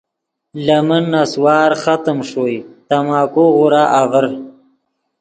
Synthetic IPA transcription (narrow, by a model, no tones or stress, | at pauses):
lamənːaswɑːɾχat̪əmʂojt̪amɑːkoɣʊɾaʔavəɾ